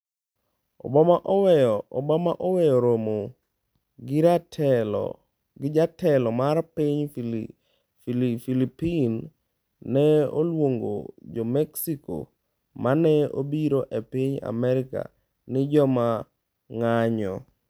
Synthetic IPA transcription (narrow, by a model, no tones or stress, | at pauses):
ɔ̰bɔmaʔɔwɛjːbɔmaʔɔwɛjɔɾomo | ɡɪɾatʰɛl̰ | ɡɪd͡ʒatɛlɔmarpiɲ | filipinː | ɛolwoŋɡo̰d͡ʒɔmɛksiko̰ | mʔanɛo̰biɾoʔepiɲa̰mɛɾɪka̰ | nɪd͡ʒɔma | ŋaɲɔ